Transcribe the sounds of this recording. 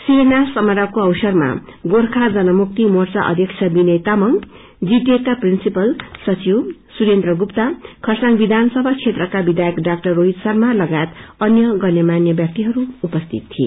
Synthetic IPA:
sinasʌmʌɾakoʌwsʌrma̰ɡorkʰad͡zʌnʌmuk̚t̪imort͡sa̰ʔʌ̰d̪ʱjʌkt͡sʰʌbinʌjt̪amʌŋ | d͡zitekːaprinsipʌlsʌt͡siwsuɾent̪rʌɡupt̪akʰʌsaŋbid̪ʱanʌsʌbʱakt͡sʰet̪rʌkabid̪ʱajʌkɖak̚ʈʌrːoɦit̪sʌrmalʌɡajet̪ʌnjʌɡʌnjʌmanjʌbjak̚t̪iɦʌɾuupʌst̪ʰit̪ːʰiḛ

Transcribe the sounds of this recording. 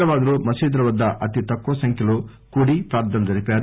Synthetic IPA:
ɐʋaːd̪ɐɾuːmɐsiːd̪ɾɐʋɐd̪ːɐʔɐt̪it̪ɐkːoːsɐŋkʰjɐlu | kuːɽipɾaːɾd̪ɐnɐd͡ʒ̪ɐɾipaːɾ

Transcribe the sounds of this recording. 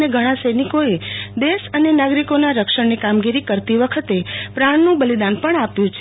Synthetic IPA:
neɡʱəɽ̃ãsenikoed̪esənenaɡɾikonaɾəkʃəɳnikamɡiɾikəɾt̪iʋəkʰət̪epɾaɳnũbəlid̪anpəɳapjũt͡ʃʰ

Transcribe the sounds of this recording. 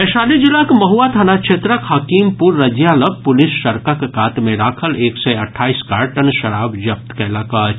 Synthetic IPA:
ɛʃaːlid͡ʒɪlakmɐɦuat̪ʰaːnat͡ʃʰet̪ɾəkɦakiːmpuɾːɐd͡ʒjaːləɡ̚pʊlɪsʃɐɾkakekaːt̪mẽɾaːkʰəleːksɛɐʈʰːaːiskaːɾʈɐnʃɐɾaːbd͡ʒɐp̚t̪kelaːkat͡ʃ

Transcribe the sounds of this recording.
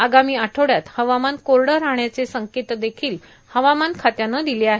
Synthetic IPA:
aɡamiːaʈʰoɽjat̪həʋamankoɾɽəɾaɦɳjat͡sesəŋket̪d̪ekʰiːl | həʋamankʰat̪janːəd̪ileaɦe

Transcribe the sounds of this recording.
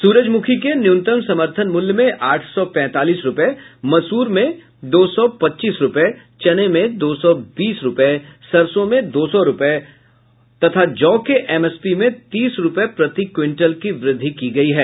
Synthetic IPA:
suːɾəd͡ʒmʊkʰikenjʊ̃nt̪əmsɐməɾt̪ʰənmʊljmẽʔaːʈʰsɔpɛ̃ːt̪aːliːsɾʊpəemɐsuːɾmẽ | d̪oːsɔpɐtːʃiːsɾʊpe | t͡ʃɐnemẽd̪oːsɔbiːsɾʊpəesɐɾsõmẽd̪oːsɔɾʊpe | t̪ɐt̪ʰad͡ʒɔːkeʔɛmɛspimẽt̪iːsɾʊpepɾɐt̪ikwɪ̃ɳʈəlkiʋɾɪd̪ʱːikiɡɐiɦɛː

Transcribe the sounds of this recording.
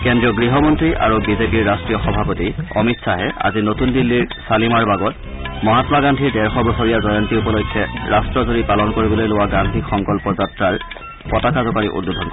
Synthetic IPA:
kɛndɹiɔɡɹiɦɔmɔntɹiʔa̰ɹubizepiɹːastɹijɔxɔbʱapotiɔ̰mitsaɦɛa̰zinotundilːiɹsalimaɹbaɡɔt | mɔɦatɔmaɡandʱiɹdɛɹxɔbɔsɔɹijazɔjɔntiupɔlojkʰːɛɹastɹɔzoɹipalɔnkoɹibɔlojlowaɡandʱixɔŋkɔlpɔzatɹaɹ | pɔtakazɔkaɹḭʔṵdːudʱɔnkɔ

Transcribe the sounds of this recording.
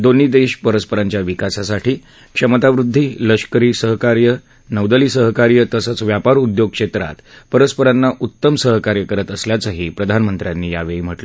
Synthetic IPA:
d̪on̤id̪eɕpəɾəspəɾaɲt͡ɕjaʋikasasaʈʰiː | kʂəmət̪aʋɾud̪ʱːiːləɕkəɾiːsəɦkaɾjə | nəʋd̪əliːsəɦkaɾjət̪əsət͡sʋjapaɾud̪joɡ̚kʂet̪ɾa̰t̪pəɾəspəɾanːaʔut̪ːəmsəɦkaɾjəkəɾət̪əsljat͡səɦiːpɾəd̪ʱanmənt̪ɾjanːiːja̰ʋeim̤əʈlə

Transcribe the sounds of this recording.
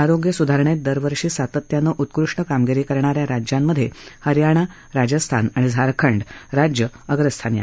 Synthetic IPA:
aɾoɡjəsud̪ʱaɾɳet̪̚d̪əɾʋəɾʂiːsat̪ət̪janəʔut̪kɾuʂʈəkamɡiɾiːkəɾɳaɾjaɾad͡ʑjamːəd̪ʱːjehəɾjaɽ̃a | ɾad͡ʑəst̪ʰanaɽ̃id͡zʱaɾkʰəɳɖɾad͡ʑjəəɡɾəst̪ʰanja̰

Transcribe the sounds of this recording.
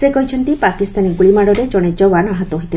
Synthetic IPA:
sekɔɦit͡ʃʰɔnt̪ipakist̪aniɡuɭimaɽɔɾed͡ʒɔɽ̃ed͡ʒɔwanaɦɔt̪ɔɦit̪il

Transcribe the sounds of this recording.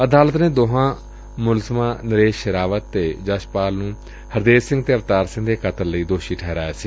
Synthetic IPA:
əd̪aːlət̪nẽːd̪oɦãː | mʊlzəmãːnəɾeːʃʃəɾaːʋət̪ːeːd͡ʒaʃpaːlnũː | həɾd̪eːsɪ̃ŋɡt̪eːəʋt̪aːɾsɪ̃ŋɡd̪eːkʰət̪əɾləiːd̪oːʃiːʈʰɛːɾaːjaːsiː

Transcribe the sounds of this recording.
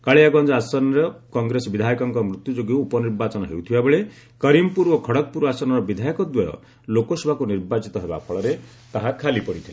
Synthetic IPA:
kaɭeaɡɔnd͡ʒɔasɔnɔɾɔkɔŋɡɾesɔbid̪ʱajɔkɔŋkɔmɾut̪jud͡ʒoɡewːpɔniɾbat͡ʃɔnɔɦḛwt̪ʰibabeɭe | kɔɾimpuɾokʰɔɽɔk̚puɾasɔnɔɾɔbid̪ʱajɔkɔd̪wɔjɔ̰ | lokɔsebʱakuniɾbat͡ʃit̪ɔɦebapʰɔɭɔɾe | t̪aɦakʰalipɔɽit̪ʰila

